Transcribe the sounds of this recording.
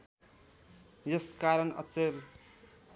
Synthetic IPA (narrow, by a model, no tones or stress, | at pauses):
jʌskaɾʌnʌ̰t͡ser